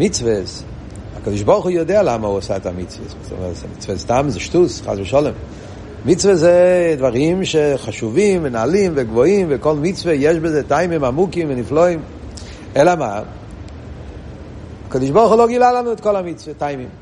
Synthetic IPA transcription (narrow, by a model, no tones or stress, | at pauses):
mit͡svɛs | akodɪʃbɔɾχujɔdealamaɔsaɛtamit͡svɛ̰szɔ̰mɛsmit͡svɛstamzɛʃtusχa̰svɪʃɔlˠɛm | mit͡svɛzedvaɾimʃeχaʃuvimvɪnaalimvɪɡvɔimvɪkɔlˠmit͡svejɛʃbɪzetaɪmimamukimvɪnifloim | ɛlama | akodɪʃbɔɾχʊloɡilalanʊɪt̚kɔlˠamit͡svetaɪmim